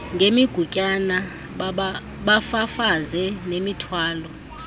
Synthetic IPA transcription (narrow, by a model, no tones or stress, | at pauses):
ŋɡʱemiɡ̥ʱucʼana | ɓafafazɛnemitʰwaːlɔ